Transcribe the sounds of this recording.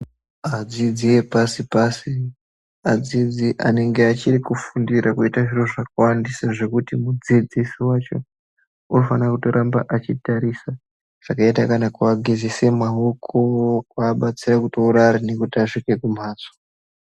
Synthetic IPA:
ad͡zid͡ziwe̞pasipasi | ad͡zid͡ziʔa̰ne̞ŋɡeat͡ʃirikufundiɾakuitaʐiroʐakawandisaʐe̞kutimud͡zid͡zisiwat͡ʃo̞̰ | unofanakuto̞ɾʔambaʔat͡ʃitaɾisa | ʐ̥akaitakanakuaɡʱizise̞mwaɦokʰokwaːɓat͡sirakutouɾaɾine̞kutiaʐike̞kum̤aːzo̥

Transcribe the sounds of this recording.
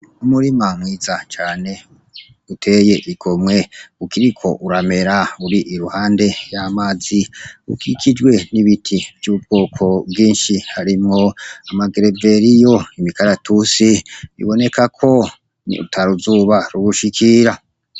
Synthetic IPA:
umuɾimamwiːzat͡ʃaːne̞ | utʰe̞je̞ʔiɡomŋe̞ukiɾikʰo̞ʔuɾame̞ɾauɾiʔiɾuhaːnde̞jamaːziṵkʰikʰid͡ʒwe̞niβitʰivjuːb̚ɡoːkʰo̞bɡiːnʃihaɾimŋo̞amaɡeɾeve̞ɾijo̞imikaɾatʰusiβḭβo̞ne̞kakʰo̞ | ṵtʰaɾuzuːβaɾuβuʃikʰiɾa

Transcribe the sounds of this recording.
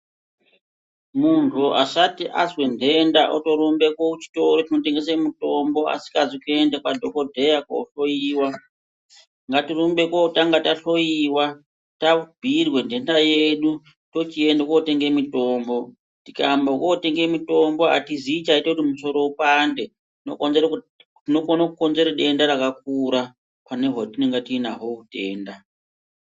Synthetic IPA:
muntʰuʔa̰ʂatiʔa̰zwendʱe̞ndaʔoto̞ɾombe̞kwokut͡ʃi̥to̞ɾotino̞te̞ŋɡesemuto̞mbo̞a̰si̥kazikue̞ndekwadʱokodʱejakouɬo̞jiːwa | ŋɡatirombe̞kwoutaŋɡataɬo̞jiwa | tabʱirwe̞ndʱe̞ndajeɗu | to̞t͡ʃie̞ndakote̞ŋɡe̞mito̞ːmbo̞ | tikambakote̞ŋɡe̞mito̞mbo̞a̰tiziːt͡ʃaitekutimuso̞ɾo̞upande | tno̰konzeɾ | tino̞konakuko̞nze̞ɾaɗe̞ndaɾakak̚uɾa | pane̞ɦwotineŋɡatinaɦokute̞̰ːnda

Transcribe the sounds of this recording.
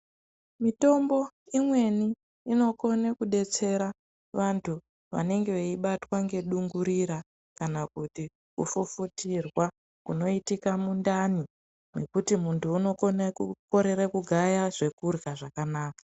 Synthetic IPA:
mito̞mbo̞ | imwe̞niː | no̞ko̞nekuɗe̞t͡se̞ɾa | ʋantʰu | ʋa̰ne̞ŋɡeʋeiɓatwaŋɡe̞ɗuŋɡuɾiɾa | kanakuti | ṵfufutirwa | kuno̞itikamundani | ne̞kutimuntuːno̞konakuko̞ɾe̞ɾakuɡʱajaʐe̞kurɡaʐakanaːka

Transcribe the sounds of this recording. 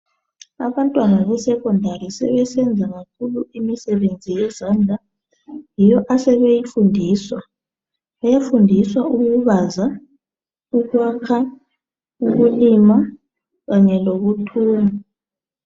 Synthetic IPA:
a̰βantʼwanaβɛsɛkʰʼɔndʱarisɛ̰βɛsɛnd͡zʱaɣak̚ʰuluimisɛβend͡zʱijɛzand͡ɮʱa | jijɔʔasɛβejifundʱiːswa | βajafundʱiswauɣuβaza | uɣwakʰa | uɣulima | ɣaɲɛloβutʰuːma

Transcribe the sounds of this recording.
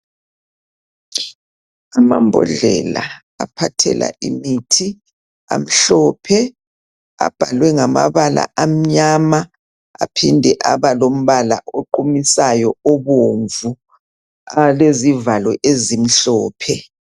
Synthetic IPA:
amambʱɔ̰ɮɛla | apʰatʰɛ̰la̰ʔimitʰi | a̰m̩ɬɔːpʰɛ | a̰b̥ʱalwɛŋamaβala̰ʔam̩ɲama | apʰindʱɛʔaβalom̩βala̰ʔoǃumisajɔoβoɱvu | alezivalɔʔezim̩ɬɔːpʰɛ

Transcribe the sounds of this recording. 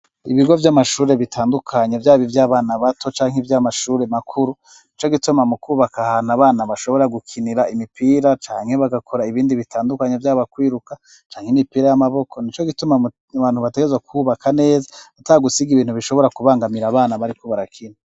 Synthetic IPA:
iβiɡo̞vjamaʃuːɾe̞βitʰaːndukʰaɲevjaːβivjaːβaːnaβatʰo̞t͡ʃaːŋevjamaʃuːɾe̞makʰuɾu | nit͡ʃo̞ɡitumamukuːβakahanaβaːnaβaʃo̞βo̞ɾaɡukʰiniɾaimipʰiːɾat͡ʃaːŋhe̞βaɡakʰo̞ɾaiβiːndiβitʰaːndukaɲevjaːβakwiːɾuka | t͡ʃaːŋhenipiːɾajamaβo̞kʰo̞nit͡ʃo̞ɡituma | βaːn̥huβate̞ɡezwakʰuβakʰane̞ːzaataɡusiɡiβiːnhuβiʃo̞βo̞ɾakuβaːŋɡamiɾaːβaːnaβaɾikʰo̞βaɾakʰina

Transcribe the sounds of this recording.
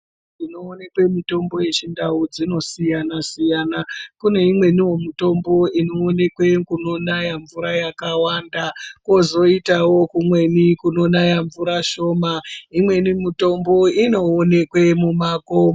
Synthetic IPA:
dino̞ːne̞kwe̞mito̞mbo̞je̞t͡ʃindaud͡zino̞sijanasijaːnakune̞imwe̞niwomuto̞mbo̞ino̞ːne̞kwe̞kuno̞najaɱvuɾajakawandako̞zo̞itawo̞kumwe̞nikuno̞najaɱvuɾaʃo̞ːmaimwe̞nimito̞mbo̞ino̞ːne̞kwe̞mumaːko

